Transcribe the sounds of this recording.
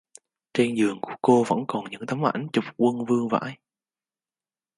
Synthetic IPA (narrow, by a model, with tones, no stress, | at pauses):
t͡ɕe˧nzɨ˨˩əŋku˧˩əko˧və̰˧˥nkɔ˨˩nɲɨ̰˧˥ŋt̪ə˨˦mʔa˧˩jŋ̟t͡ɕʊ˨˩k͡p̚kwə˧nvɨ˧əŋva̰ː˧˥j